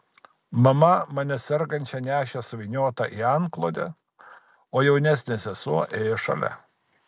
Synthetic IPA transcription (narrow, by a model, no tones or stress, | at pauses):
mɐmɐmɐnʲɛsʲɛɾɡɐnʲt͡ʃʲɛnʲæːʃʲɛsʊʋʲɪnʲoːt̪ɑʔiːɑɐŋklˠoːd̪ʲɛ̰ | oːjɛʊnʲæsʲnʲesʲɛsuɔʔeːjɛʃɐ̰lʲɛ̰